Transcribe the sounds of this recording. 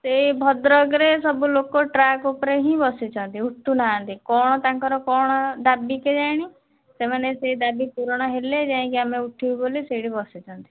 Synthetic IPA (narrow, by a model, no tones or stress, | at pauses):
seɦibʱɔd̪ɾɔɡɾesɔbulokoʈɾakupɔɾeɦĩbɔsit͡ʃʰɔnt̪iuʈːunaant̪ikɔɽ̃ɔt̪aŋkɔɾɔkɔɽ̃ɔd̪abiked͡ʒajɽ̃i | semaneseid̪abipuɾɔɽ̃ɔɦeled͡ʒaɦĩkiameuʈʰibiboliseɽibɔsit͡ʃʰɔnt̪i̥